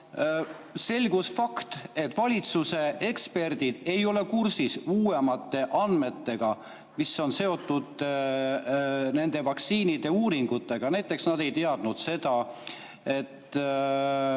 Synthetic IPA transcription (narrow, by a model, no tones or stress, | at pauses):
se̞lʲɡusfɑkt̪e̞t̪ːˑvɑlʲit̪suse̞e̞kspe̞rd̪̥id̪̥e̞jo̞le̞kursisuːe̞mɑt̪ːˑe̞ʔɑnd̪me̞t̪ːe̞ɡ̥ɑ | miso̞nse̞o̞t̪ˑːud̪̥ | ne̞nd̪̥e̞vɑksiːnid̪̥e̞uːɾiŋɡ̥ut̪ːˑe̞ɡ̥ɑnæjt̪ːˑe̞ksnɑd̪e̞jt̪e̞ɑd̪̥nud̪̥se̞d̪̥ɑ | e̞t̪ːˑ